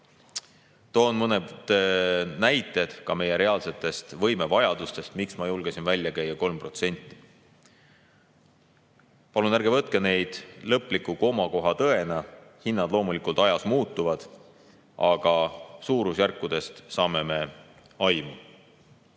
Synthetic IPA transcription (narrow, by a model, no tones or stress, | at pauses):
t̪o̞ːnmɤned̪̥næjt̪ˑːe̞d̪̥kɑme̞je̞ɾe̞ɑːlse̞t̪ːˑe̞st̪vɤ̞jme̞vɑjɑd̪̥ust̪e̞st̪miksmɑjulɡ̥esinvælʲjɑkæjːɑko̞lmpro̞t̪se̞nʲt̪ˑːi̥ | pɑlunæɾɡ̥e̞vɤt̪̚ˑkene̞jd̪̥lɤpːˑlikːˑuko̞mɑko̞ɦɑt̪ɤ̞e̞nɑhinːɑd̪̥lo̞ːmulikˑult̪ɑjɑsmuːt̪ːˑuvɑd̪̥ | ʔɑɡ̥ɑsuːɾusjærkːud̪̥e̞st̪sɑːme̞me̞ | ɑjmu